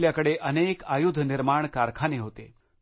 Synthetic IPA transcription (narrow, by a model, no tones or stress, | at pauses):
ljakəɽeʔənekajud̪ʱːəniɾmaɳkaɾkʰaneɦot̪e